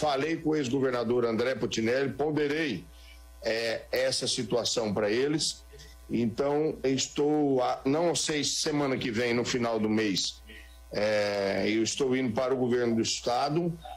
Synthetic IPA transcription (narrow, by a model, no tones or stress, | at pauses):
falejkõezɡoveɾnad̪oɾɐ̃nd̪ɾɛpot͡ʃ̪inɛlɪpõnd̪eɾej | ɛɛsɐsit̪uasɐ̃w̃pɾɐelɪs | ẽnt̪ɐ̃w̃ɪst̪owanɐ̃w̃asejsːemɐ̃nɐkɪvẽj̃nʊfinawd̪ʊmejs | ɛewɪst̪owĩnd̪ʊpaɾʊɡoveɾnʊd̪ʊist̪ad̪ʊ